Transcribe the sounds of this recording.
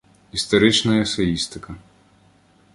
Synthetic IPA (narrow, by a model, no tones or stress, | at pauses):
ist̪ɔɾɪt͡ʃnɐjɐsejist̪ɪkɐ